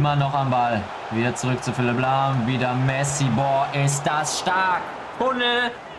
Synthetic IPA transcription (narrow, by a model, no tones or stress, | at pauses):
ɪmɐnɔχambal | viːdɐt͡suʁʏk̚t͡sufɪlɪblamviːdɐmɛsibɔɐʔɪs̬td̥asʃtaɐk | tʰʊnə